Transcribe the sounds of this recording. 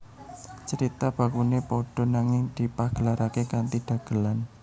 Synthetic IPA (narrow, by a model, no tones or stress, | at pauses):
t͡ʃəɾit̪ab̥ä̤kunepɔɖ̥ɔ̤naŋɪŋd̪̥i̤paɡ̥ə̤laɾakekant̪id̪̥ä̤ɡ̥ə̤lan